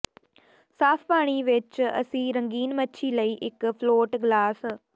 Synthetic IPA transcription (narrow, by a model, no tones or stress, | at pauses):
saːpʰpaːɽ̃iʋɪt͡ʃə̰sĩːɾə̃ŋɡiːnmətːʃʰiləiːʔɪkpʰloːʈɡlaːs